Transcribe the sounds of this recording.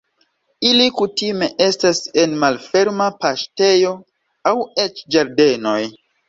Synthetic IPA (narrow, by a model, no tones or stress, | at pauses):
ilikutime̞ʔe̞stase̞nmalfe̞ɾmapaʃte̞jo̞ | awet͡ʃd͡ʒaɾde̞no̞j